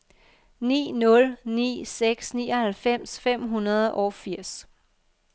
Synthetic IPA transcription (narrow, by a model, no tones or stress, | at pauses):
nḭːnɔ̽lnḭːseɡ̥snḭːɐhælfem̰sfem̰ɦunɐð̞ˠʔɒfiɐ̰s